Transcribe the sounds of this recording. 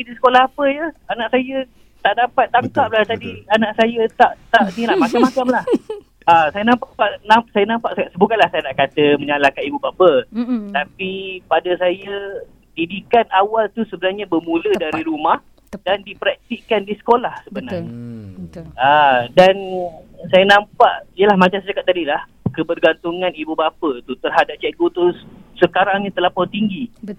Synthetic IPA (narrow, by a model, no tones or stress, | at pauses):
idisə̥kolahɦapəjəanãʔsajə | t̪aʔdapat̪̚ːaŋkaʔ̚lat̪adianãʔsajət̪aʔt̪aʔniɾaʔmat͡ʃamːat͡ʃamlah | asajanãmpaʔpaʔnasajanãmpaʔssəbukanlahsajanaʔkat̪əmə̃ɲalakanibubabət̪apipadəsajə | didikanawalt̪usəbənarɲabərmũlədaɾiɾumah | dandipɾak̚t̪iʔkandisə̥kolahsəbənarɲa | adansajənampaʔijəlahmat͡ʃamsat͡ʃakat̪̚ːadilah | kəbərɡant̪uŋãnibubapət̪ut̪ərɦadap̚t͡ʃɛɡut̪usəkaɾaŋɲat̪əlapɔt̪iŋɡi